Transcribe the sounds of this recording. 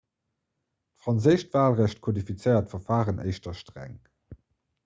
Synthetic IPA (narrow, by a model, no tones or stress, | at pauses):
tfʁ̥ɑnzəɪʃtv̥aːlʁæɕt̚kʰodifit͡sɜɪɐtfɐfaːʁənʔḛɪʃtɐʃtʁæ̰ŋ